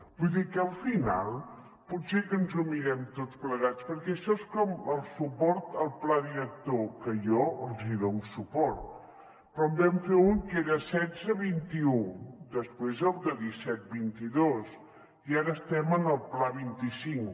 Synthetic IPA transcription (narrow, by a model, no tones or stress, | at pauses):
b̥ujðikəlˠfina̰lˠ | putsekənzumiɾɛmt̪ott͡spləɣ̞at͡spəɾkɛəʃɔeskɔməlˠsupɔɾt̪əlˠplaðiɾək̚t̪okəjɔəlˠziðonsupɔɾt̪ | pɾɔəmbɛmfeuŋkeɾəsɛzəβint̪iud̪əspɾezəlˠd̪əðisɛt̪̚bint̪iðos | iaɾəːst̪ɛmənəlˠplaβint̪isiŋ